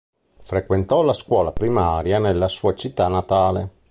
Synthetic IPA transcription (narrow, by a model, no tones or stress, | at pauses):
fɾekwent̪ɔlaskwɔːlapɾimaːɾjanelːasuːat͡ʃit̪ːanat̪aːle